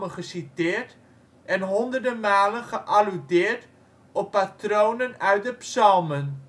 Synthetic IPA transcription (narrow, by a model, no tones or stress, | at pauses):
əχəsitɪːrt | ʔɛnɦɔndərdəmaːlənχəʔalydɪːrt | ɔpːatrownənœɥt̚dəpsɑlˠmən